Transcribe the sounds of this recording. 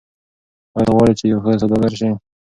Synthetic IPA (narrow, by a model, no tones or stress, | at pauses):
ajɣwɑɾit͡ʃejawxəs̬ad̪ɑd̪aɾʃ̬i